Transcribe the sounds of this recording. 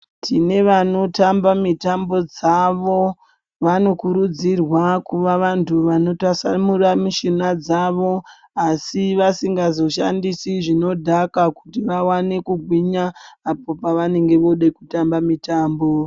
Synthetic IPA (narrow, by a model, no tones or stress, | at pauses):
tʰine̞ʋano̞tambamitambo̞d͡zaʋo̞ | ʋano̞kuɾud͡zirwakuʋaʋantʰuʋano̞tasamuramiʃinad͡zaʋo̞ | asiʋasiŋɡazo̞ʃandisiʐino̞dʱakakutiʋawane̞kuɡʱwiɲaːpo̞paʋane̞ŋɡe̞ʋo̞ɗekutambamitaːmbo̞